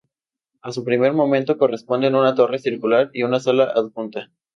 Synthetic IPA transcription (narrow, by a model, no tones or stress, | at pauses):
asupɾime̞ɾmo̞mẽnt̪o̞ko̞re̞spo̞nd̪e̞nunat̪o̞re̞siɾkulaɾiunasalaʔaðkunt̪a